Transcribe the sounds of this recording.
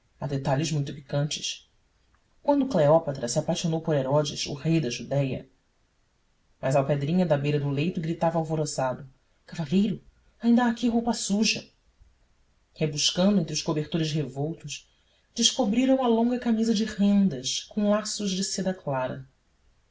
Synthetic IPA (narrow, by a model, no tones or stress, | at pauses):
ɐd̪et̪aʎɪzmũj̃t̪ipi̥kɐ̃nt͡ʃɪ̥ʃ | kwɐ̃nd̪ʊkleɔpat̪ɾɐsiapajʃonowpoɾeɾɔd͡ʒɪsʊ̰hejd̪ɐʒud̪ɛjɐ̰ | mɐzawped̪ɾĩɲɐd̪ɐbejɾɐd̪ʊlejt̪ʊɡɾit̪avɐawvoɾosad̪ʊ | kavaʎejɾʊ | aĩnd̪ɐaːkiɦowpɐsuʒɐ | hebuʃkɐ̃nd̪ʊẽnt̪ɾʊʃkobeχt̪oɾɪʃhevowt̪ʊʃ | d͡ʒɪʃkobɾiɾɐ̃w̃mɐlõŋɡɐkamizɐd͡ʒɪʁẽnd̪ɐʃkõw̃lasʊʒd͡ʒɪsed̪ɐklaɾɐ̰